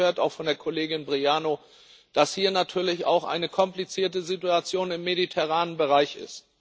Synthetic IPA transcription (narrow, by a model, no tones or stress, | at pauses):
øːɐtaʊxfɔndeːɐkʰoleːɡɪnbʁiaːno | d̥ashiːɐnatʰyːɐlɪça̰ʊxʔa̰ɪnəkʰɔmplit͡siːɐtəzituat͡sjoːnɪmːeditʰɛʁ̞aːnənbəʁaɪçɪ̰st